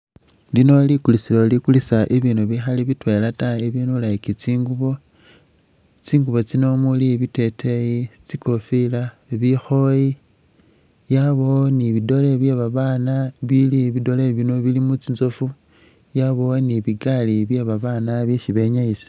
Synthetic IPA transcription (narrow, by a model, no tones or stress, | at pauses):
lino̞likulisilo̞likulisaʔeβiːnuβixaliβitwe̞lataeβinulaikit͡siːŋɡuβo̞ | t͡siːŋɡuβo̞t͡sino̞muliβite̞tʰejit͡siko̞fila | βixo̞ji | jaβo̞niβido̞le̞βjeβaβanaβiliβido̞leβino̞βilimut͡sinzo̞fu | jaβo̞niβiɡaliβje̞βaβanaβjeʃiβe̞ɲaisi̥